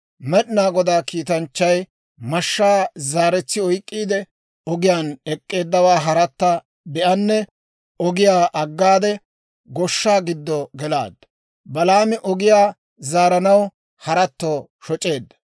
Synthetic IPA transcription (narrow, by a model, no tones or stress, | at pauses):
mɛɗnaːɡɔd̪aːkiːt̪ɐnt͡ʃːɐj | mɐʃːaːzaːɾɛt͡sːɪɔjkʼːiːd̪ɛ | ɔɡɪjaːnɛkʼːe̞ːd̪ːɐwaːɦɐɾɐt̪ːɐ | bɛʔɐnːɛ | ɔɡɪjaːʔɐɡːaːd̪ɛ | ɡɔʃːaːɡɪd̪ːɔɡɛla̰ːd̪ːɐ̥ | bɐlaːmɪʔɔɡɪjaː | zaːɾɐnɐw | hɐɾɐt̪ːoː | ʃɔt͡ʃʼːe̞ːd̪ːɐ̥